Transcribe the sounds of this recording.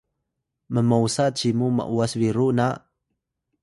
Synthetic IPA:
məmausat͡ɕimumə̰ʔuasviɾuna

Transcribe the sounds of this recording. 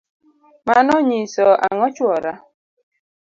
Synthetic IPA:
manɔɲisɔʔaŋɔt͡ʃwɔɾa

